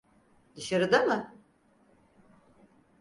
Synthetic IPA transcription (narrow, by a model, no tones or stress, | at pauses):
d̪ɯʃaɾɯd̪amɯ